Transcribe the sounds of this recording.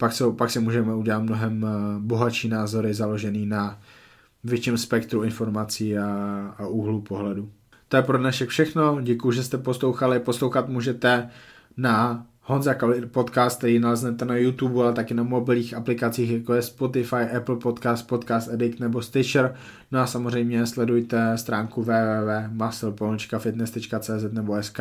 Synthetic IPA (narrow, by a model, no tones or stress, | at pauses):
paksowpaksɪmuːʒɛmɛuɟɛlat̪̚mno̞ɦɛmbo̞ɦaʃiːnaːzo̞ɾɪzalo̞ʒɛniːna | vjɛt͡ʃɪmspɛkt̪ɾuɪnfo̞ɾmat͡siːaaʔuɦlupo̞ɦlɛdu | t̪o̞jɛpɾodnaʃɛkfʃɛxno̞ɟɛkujuʒɛst̪ɛposlowxalɪpo̞slowxat̪muːʒɛt̪ɛ | na | honzakalɪpo̞t̪kaːst̪̚t̪ɛɾiːnalɛznɛt̪ɛnajut̪ubualɛt̪akɪnamo̞bɪlɲiːxʔaplɪkat͡siːxjakojɛspo̞t̪ɪfajʔɛpl̩po̞t̪kaːst̪̚po̞t̪kaːst̪ɛdɪkt̪nɛbo̞st̪ɪt͡ʃɾ | noasamor̝ɛjmɲɛslɛdujt̪ɛst̪ɾaːŋkuvɛːvɛːvɛːmasl̩pont͡ʃkafɪt̪nɛst̪ɛt͡ʃkat͡sɛːzɛt̪nɛboɛska